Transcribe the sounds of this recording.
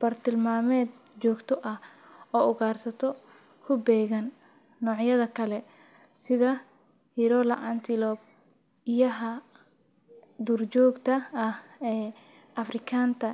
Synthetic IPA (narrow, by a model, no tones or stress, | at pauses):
b̥ɐrt̪ʰɪlmaːmɛːd̪̚ | t͡ʃɔːɡt̪ʰɔʔɐh | ɔːʊɣaːrsɐt̪ʰɔ | kʰʊbɛːɣɐnː | ɔːʕjɐðɐkʰɐlɛ | sɪðɐ | hiɪɾɔːlɐʔɐnt̪ʰɪlɔːb̚ | ɪjɐɦɐ | d̪uːrt͡ʃɔːɡt̪ʰɐɐhɛː | ʔɐfrɪkʰaːnt̪ʰɐ